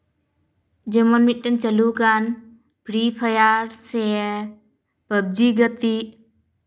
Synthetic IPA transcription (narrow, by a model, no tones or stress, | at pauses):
d͡ʒemɔnmit̪̚ʈənt͡ʃəluɡan | bʱɾipʰəjaɾsɛ | pəb̚d͡ʒiɡət̪i